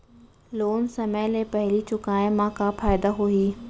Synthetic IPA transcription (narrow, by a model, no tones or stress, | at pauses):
loːnsɐməjlepɐɦɪlit͡ɕʊkaːẽmãkʰafaːɪd̪aɦuiː